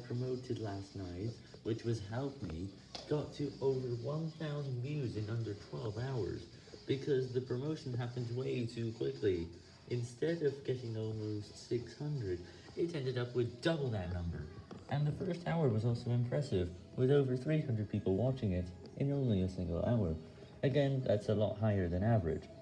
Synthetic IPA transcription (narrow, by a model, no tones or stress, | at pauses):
pʰɹ̥əmoʊɾɨdˡlæstⁿnaɪt̚ | wɨt͡ʃwʌz̥ɦɛlˠt̚mi | ɡ̥ɑtʰɨʔoʊvə˞wʌ̃nθaʊzn̩mjʉzɨ̃nʌ̃ndə˞tʰw̥ɛlˠvaʊə̰˞z | b̥ɨkʰʌzðɨpʰɹ̥ɨmoʊʃn̩ɦæpɨ̃n̩zweɪtʰʉkʰw̥ɪkʰli | ʔɨ̃nstɛɾʌvɡɛɾɪ̃ŋɔlˠmoʊstsɪkshʌ̃ndɹɨd | ɪtɛ̃ndɨɾʌpwɨðdʌbl̩ˠðɨtⁿnʌ̃mbə̰˞ʔɨ̃nðɨfɜ˞stʰaʊə˞wʌzɔlˠsoʊɨ̃mpʰɹ̥ɛsɪv | wɪðoʊvə˞θɹihʌ̃ndɹɨd̚pʰipl̩ˠwɑt͡ʃɪ̃ŋɪɾ | ʔɨ̃nõʊ̃nliɨsɪ̃ŋɡl̩ˠa̰ʊə˞ | ɨɡɛ̃nðæ̰tsəlɔ̰t̚ɦaɪə˞ðɨ̃nævə˞ɪ̰d̥ʒ̥